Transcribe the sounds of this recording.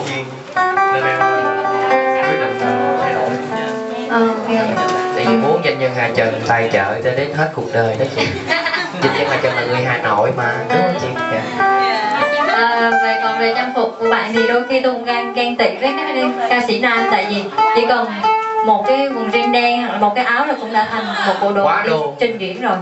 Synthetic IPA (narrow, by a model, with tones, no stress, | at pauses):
ə˧aː˨˧˩n˧˦hka˧˩˧aː˧˦˨na˧˩səː˧˨˩o˧˨˩haː˨˩no̰˧˩j | ʔəː˨˩a˧ə˨˧˩t̪a̰ː˧˨jvi˨˩ɓu˨˦ənt͡ɕi˧˩nɲə˧˩ŋɦaː˨˩t͡ɕə˨˩t̪a˧jt͡ɕə̰ː˧˨t͡ɕəː˧˦ɗe˨˦nɦe˦˥t̚ku˨˩ək̚ɗəː˨˩jɗə˨˦t͡ɕi˧˦˧ | ɲï˨˧˩nɲə˧ŋaː˨˩t͡ɕə˧˩laː˨˩ŋɨ˨˩əjɦaː˨˩no˧˩jmaː˨˩kə˧˦˧t͡ɕi˧ɲaː˧˩˧ | ʔəː˨˩˨ve˨˩kɔ˨˩nve˨˩ɲa˧nfʊ˨˩t̚ku˨˧˩əɓa̰ː˧˨nzi˨˩ɗo˧jxi˧t̪u˧ɣaː˧ŋɣɛ˧ŋt̪ḭ˧˨vəː˨˦kaː˨˦˥ɗi˧nkaː˧sḭ˧˩˦naː˧mt̪a̰ː˧˨jvi˨˩t͡ɕḭ˧˥kɔ˨˩nmo˨˩t̚kaː˨˦jvʊ˨˩ŋzi˧ŋɗɛ˧ŋha˨˧˩k̚la˨˩m˨˩t̚kaː˨˦jʔaː˨˦wla˨˩kʊ̰˧˥ŋ͡mɗa̰ː˧˥t̪ʰa˨˩ŋ̟˨mo˨˩ɓo̰˧˩ɗo˨waː˨˦˧t͡ɕï˧ŋ̟ki˧˩˨ənzo˨˩j